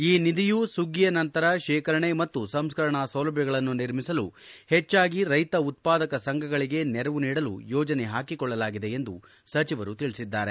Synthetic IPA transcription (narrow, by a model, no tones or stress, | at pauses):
iːnid̪ijusuɡijɐnɐnt̪ɐɾɐʃɛːkɐɾɐɳemɐt̪ːusɐmskɐɾɐɳɐsɐwlɐbʱjɐɡɐɭɐnːuniɾmisɐluhɛt͡ʃːaːɡiɾɐjt̪ɐut̪̚paːd̪ɐkɐsɐŋɡʱɐɡɐɭiɡe̞nɛɾɐʋuniːɽɐlṵjɔːd͡ʒɐneɦaːkikɔɭːɐlaːɡid̪e̞end̪u | sɐt͡ʃiʋɐɾut̪iɭisid̪ːaːɾḛ